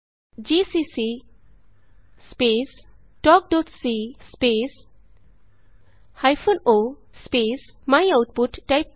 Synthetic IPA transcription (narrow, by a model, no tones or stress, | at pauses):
d͡ʒisisi | spes | ʈɔk̚ɖɔʈsispes | hajpʰonospesmajawʈ̚puʈːajp̚